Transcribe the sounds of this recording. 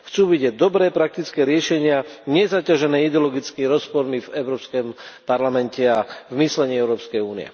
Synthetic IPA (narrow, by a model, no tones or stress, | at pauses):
xt͡suːbiɟɛd̪ɔbɾɛːpɾak̚t̪it͡skɛːɾɪɛʃɛɲɪaɲɛzacaʒɛnɛːid̪ɛɔlɔɡit͡skiiɾɔspɔɾmivɛʊɾɔːpskɛmpaɾlamɛncɛavmislɛɲiːɛʊɾɔːpskɛjuːnḭɛ̰